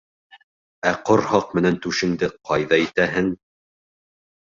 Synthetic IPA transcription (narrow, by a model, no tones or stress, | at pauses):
æqoɾhɑq̚mɘ̆nænt̪ʉʃɘ̆ŋd̪ɘqʰɑjðɑit̪æɦɘŋ